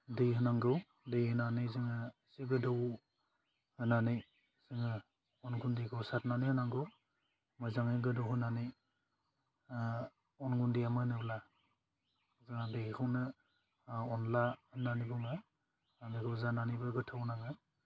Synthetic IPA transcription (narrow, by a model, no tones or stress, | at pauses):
dejɦɯnaŋɡɯw | dejhɯnanɯjzɯŋɯseɡɯdɔw | hɯnanɯj | z̥ɯŋɯ | ɔnɡundikʰɯwsat̚nanihɯnaŋɡɯw | majzaŋɯɡɯdɔwɦɯnanij | ɔnɡundijamɯnɯbla | zaŋadejkʰɯwnɯ | ɔnlahɯnanibɯŋɯ | mekʰɯwzananibɯɡɯtʰawnaŋɯ